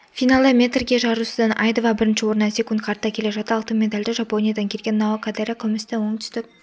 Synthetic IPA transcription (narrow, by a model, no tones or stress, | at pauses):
fijnalˠd̪əmʲe̞t̪rɡʲe̞ʒɑɾusəd̪ɑnʔɑjd̪ovɑbɪɾɪnʃɪwo̞ɾnɑse̞kʊnt̪qʰɑɾt̪ːɑkʲʰe̞le̞ʒɑt̪əɑːlˠt̪əmʲe̞d̪alʲd̪ɪʒɑpo̞nijad̪ɑŋkʲʰe̞lɡʲe̞nːɑwɑkʰad̪eɾakʲʰʏmɪst̪ewo̞ŋt̪ʰʏ̥st̪ɪk̚